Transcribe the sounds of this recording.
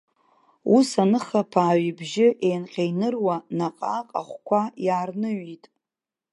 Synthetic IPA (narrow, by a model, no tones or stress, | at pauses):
usanɨχapʰaːɥibʒɪʔe̞jnqʲʼejnɨrwanaqʼaqʼa̰χʷkʷajaːrnɨɥitʼ